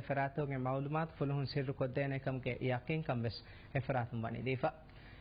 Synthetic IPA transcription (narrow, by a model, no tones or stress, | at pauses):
efɾaːt̪oːɡemawlumaːt̪fuluɦunsiɾːukod̪ːeːnekɐmɡeʔjaqiːnkɐmʋes | efɾaːt̪umʋɐ̰nḭd̪iːfa